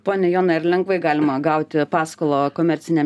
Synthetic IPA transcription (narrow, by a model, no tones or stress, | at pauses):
poːnʲɛjoːnɐɪɾlʲɛŋɡʋɐɪɡɑːlʲɪmɐɡɐʊt̪ʲɪpɑːskoːlˠoːkoːmʲɛɾʲsʲɪnʲɛm